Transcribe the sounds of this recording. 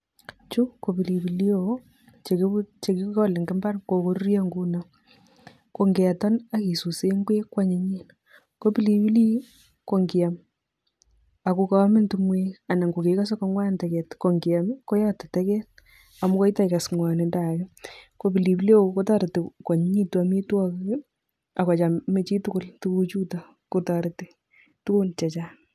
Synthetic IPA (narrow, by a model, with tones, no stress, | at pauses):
t͡ʃu˦ko˨pi˨li˨bi˨li˦o˨ | t͡ʃe˨kt͡ʃe˨ki˦kɔ˦le˨ŋɡɪ˦mba˦rko˨ko˦ɾrja˦ŋɡu˦na˦ | ko˨ŋɡɛ˨tɔ˦na˦ki˨su˨se˦ŋɡwe˦kwa˦ɲe˨˦ɲi˦n | ko˦pi˦li˨pi˦liː˦ | ko˨ŋɡi˨a˨m | a˨ku˨ka˨˦mɪ˦ntu˨mwe˦a˨na˨ŋɡo˨keka˦s̬ɔ˦kɔ˦ŋwa˦ntɛ˨kɛ˨tko˨ŋɡi˨a˨mko˦jɔ˦tɪ˨tɛ˦kɛ˦t̚ | a˨mʊ˦kɔ˦i˦ta˦ka˨sŋwa˨ne˨nda˨kɪ˦ko˦bi˨li˨bi˦le˦ko˦ta˦ɾtɪ˨kwa˨ɲ˦ɲi˦twa˨mi˦twɔ˦k | a˨ka˨t͡ʃa˨me˦t͡ʃi˦tʊ˦kʊ˦ltu˦ku˦t͡ʃu˦ta˨ | ko˦ta˨ɾti˨ | tu˦ko˦nt͡ʃa˨t͡ʃa˦